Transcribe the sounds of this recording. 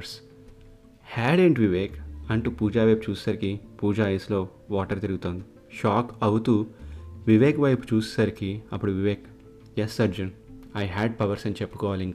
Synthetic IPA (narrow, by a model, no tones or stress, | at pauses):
ɾs | hæɽẽːɳʈʋiʋeːkɐɳʈupuːd͡ʒaʋep̚t͡ʃuːssɐɾkipuːd͡ʒaislo | ʋaːʈəɾt̪iɾɡut̪õnd̪i | ʃɔːkɐwt̪uʋiʋeːkʋɐjpt͡ʃuːssɐɾkiɐpuɽuʋiʋeːk | jɛsːɐɾd͡ʒun | ajɦæɖ̚pɐʋɐɾsɐ̃nt͡ʃepːkɔːlĩŋɡ